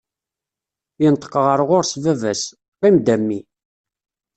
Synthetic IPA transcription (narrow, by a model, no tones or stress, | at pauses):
jənt̪ːə̥qːəʁəɾʁʊɾsvævæs | ʁimd̪æmːi